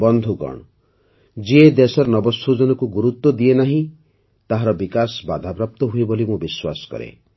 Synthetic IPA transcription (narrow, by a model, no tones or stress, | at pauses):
bɔnd̪ʱuɡɔ̰ɳ̃ɔ | d͡ʒied̪esɔɾɔnɔbɔsud͡ʒɔnɔkuɡuɾut̪wɔd̪ienaɦĩ | t̪aɦaɾɔbikasba̰d̪ʱapɾap̚t̪ɔɦuibolimobiswasɔ̥kɔ̰ɾḛ